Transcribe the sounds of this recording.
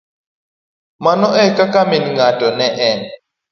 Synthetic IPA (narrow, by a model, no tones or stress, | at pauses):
manɔʔɛkakaminiŋatʼɔnɛʔɛn